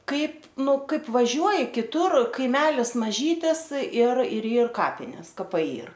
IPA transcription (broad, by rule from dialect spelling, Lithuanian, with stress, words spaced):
ˈkɐɪp ˈnʊ ˈkɐɪp ʋɐˈʒʲuɔjɪ kʲɪˈtʊr kɐɪˈmʲæːlʲɪs mɐˈʒʲiːtʲɪs ɪr ɪr ˈiːr ˈkɑːpʲɪnʲeːs kɐˈpɐɪ ˈiːr